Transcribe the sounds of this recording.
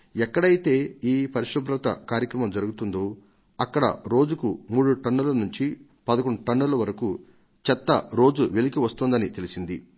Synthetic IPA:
ɛkːɐɽɐjit̪e̞ːiːpɐɾiʂɐb̪ɾɐt̪ɐ̰kaːɾjɐkɾɐmɐmd͡ʒɐɾuɡut̪und̪oː | ɐkːɐɽɐ̰ɾo̞ːd͡ʒukumuːɽuʈɐɳːɐlɐnuɲt͡ʃi | pɐd̪ɐkoɳːuʈɐɳːɐlɐʋɐɾɐku | t͡ʃɛt̪ːɐɾo̞ːd͡ʒuʋe̞likiʋɐst̪und̪ɐnit̪e̞lisind̪i

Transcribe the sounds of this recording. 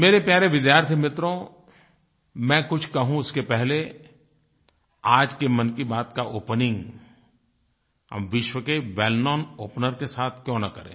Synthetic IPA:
meːɾepjaːɾeʋɪd̪jaːɾt̪ʰjimɪt̪ɾõ | mɛ̃ːkʊt͡ʃʰkɐɦũʊskepɛɦle | aːd͡ʒkemɐ̃nkibaːt̪kaʔoːpnɪ̃ŋɡ | ɦɐ̰mʋɪʃwəkeʋɛːlnɔːnoːpnəɾkesaːt̪ʰkjõːnɐkɐɾḛ̃ː

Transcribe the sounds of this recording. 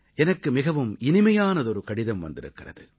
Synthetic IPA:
ʔɛnɐkːɯmɪɣɐʋɯmɪnɪmɐjaːnɐðɔɾɯkɐɽɪðɐmʋɐ̰nd̪ɪɾɯkːɪrɐ̰ðɯ

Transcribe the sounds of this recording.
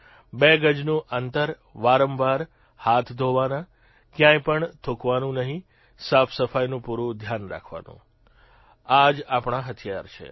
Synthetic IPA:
beɡəd͡ʒnũʔənt̪əɾ | ʋaɾəmʋaɾ | hat̪ʰd̪ʱoʋana | kjãjpəɳt̪ʰokʋanũnəɦĩ | safʰsəfajnũpuɾũd̪ʱjanɾa̰kʰʋa̰nṵ̃ | ad͡ʒapɳaɦət̪ʰijaɾt͡ʃʰḛ

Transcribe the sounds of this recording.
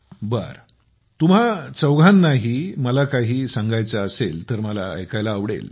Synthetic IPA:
bə̰ɾ | t̪um̤at͡səwɡʱanːaɦiːməlakaɦiːsãŋɡajt͡saəselt̪əɾməla̰ə̰jkajlaːʋɽḛl

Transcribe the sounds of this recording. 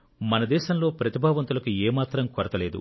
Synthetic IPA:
mɐnɐd̪ɛːʃɐmlo̞ːpɾɐt̪ibʱaːʋɐnt̪̬ulɐkueːmaːt̪ɾɐmkoɾɐt̪ɐleːd̪ṵ

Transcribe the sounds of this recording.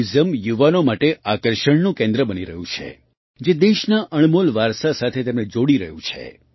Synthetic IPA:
zəmjuʋanomaʈeʔakəɾʃəɳnũkẽnd̪ɾəbəniɾə̰ɦũt͡ʃʰḛ | d͡ʒed̪eʃnaʔəɳ̃molʋaɾsasat̪ʰet̪emned͡ʒoɽiɾəɦũt͡ʃʰḛ

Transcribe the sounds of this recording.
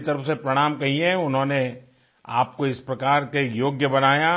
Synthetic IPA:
t̪ɐɾəfsepɾɐɽ̃aːmkɐɦiẽʊnɦõːne | a̰ːp̚koɪspɾɐkaːɾkekjoːɡjəbɐnaːja

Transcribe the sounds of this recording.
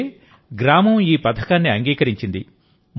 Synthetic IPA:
ɡɾaːmɐmiːpɐd̪ʰʱɐkaːnːiɐŋɡiːkɐɾiɲt͡ʃind̪ḭ | m

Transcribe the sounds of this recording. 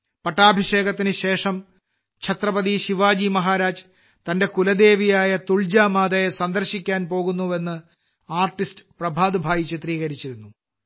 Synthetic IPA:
pɐʈːaːbʱiʂe̞ːɣɐt̪ːinɨɕe̞ːʂɐm | t͡ɕʰɐt̪rɐpɐðiɕiʋaːd͡ʑimɐɦaːɾaːd͡ʑ | t̪ɐnde̞kulɐd̪e̞ːʋijaːjɐt̪uɭd͡ʑaːmaːd̪ɐjesɐnd̪ɐrɕikʲːaːnpo̞ːɣunːuʋe̞nːɨ | aːrʈːistɨ̥prɐbʱaːd̪ɨbʱaːjit͡ɕːit̪riːɣɐɾit͡ɕːiɾunːu

